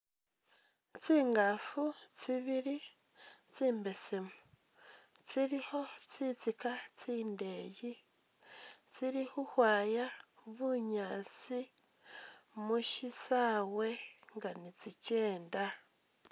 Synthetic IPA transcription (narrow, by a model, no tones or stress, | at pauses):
t͡siːŋɡafut͡siβiɾi | t͡siːmbe̞semu | t͡siɾiho̞t͡sit͡sikat͡siːnde̞ji | t͡siɾihuhwaːjaβuɲaːt͡si | muʃisawe̞ŋɡanit͡sice̞ːnda